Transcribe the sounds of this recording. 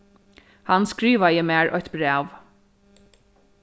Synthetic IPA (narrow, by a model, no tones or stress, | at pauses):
hanskɾiːʋajɪmæːɹʔɔjt̪bɾɛːʋ